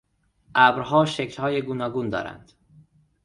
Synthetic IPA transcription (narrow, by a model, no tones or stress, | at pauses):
ʔæbɾɦɒːʃeclhɒːjeɡuːnɒːɡuːnd̪ɒ̰ːɾæ̰nd̪̥